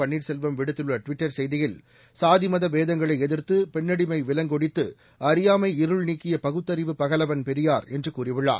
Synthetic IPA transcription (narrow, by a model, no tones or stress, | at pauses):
ɐɳːiːɾsɛlʋɐmʋɪɽɯt̪ːɯɭːɐʈʋɪʈːɐɾsɛjðɪjɪl | saːðɪmɐðɐʋeːðɐŋɡɐɭɐɪɛðɪɾt̪ɯpɛɳːɐɽɪmɐɪʋɪlɐŋɡɔɽɪt̪ːɯ | ɐɾɪjaːmɐɪɪɾɯɭniːkːɪjɐpɐɣɯt̪ːɐɾɪʋɯpɐɣɐlɐʋɐnpɛɾɪjaːɾɛndrɯkuːrɪʋɯɭːa̰ː